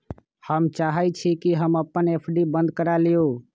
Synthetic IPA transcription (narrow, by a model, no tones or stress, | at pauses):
həmt͡ʃaɦət͡ʃʰikiɦəməpːənepʰɖibə̃nd̪̚kəɾalijo